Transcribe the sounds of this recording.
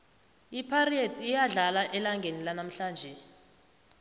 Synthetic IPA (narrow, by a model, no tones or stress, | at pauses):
ipʰarietʰijaɮalaʔɛlaŋɡʱenilanam̩ɬaːnd͡ʒʱɛ